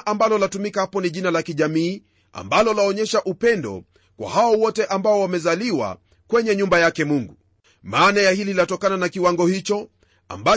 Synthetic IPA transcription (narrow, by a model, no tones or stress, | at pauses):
ʔambalɔlatumikahapɔniʄinalakiʄamiː | a̰mbalɔlaɔɲɛʃaʔupɛndɔ̰ | kwa̰haɔwɔtɛʔambaɔwamɛzaliwa̰ | kwɛɲɛɲumbajakɛmuŋɡu | maːnajahililatɔkananakiwaŋɡɔhit͡ʃɔ | a̰mba